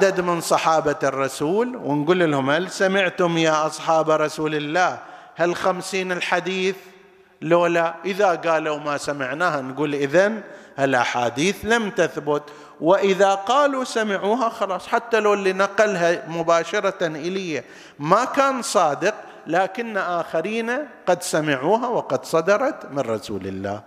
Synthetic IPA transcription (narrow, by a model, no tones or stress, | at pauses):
ʕad̪ad̪mɪnsˤɑħɑːbarˤːɑsuːlwɪnɡuːlɪlhʊmhalsamɪʕt̪ʊmjaːʔɑsˤħɑːbɾˤɑsuːlɪlːaːh | halxamsiːnɪlħad̪iːθ | loːlaʔɪðaɡaːlawmasamɪʕnaːhanɡuːlʔɪðan | halʔaħa̰ːd̪iːθlamt̪aθbʊt̪ | wɪʔɪðaqɑːlusamɪʕuːɦaxɑlɑːsˤħat̪ːaloːlːinaqalɦamʊbaːʃɑɾˤɑt̪anʔɪlɪjːa | makaːnsˤɑːd̪ɪq | laːkɪnːaʔaːxaɾiːnaqɑd̪samɪʕuːɦawɪqɑd̪sˤɑd̪ɑɾˤɑt̪mɪnɾˤɑsṵːlɪ̰lːa̰ː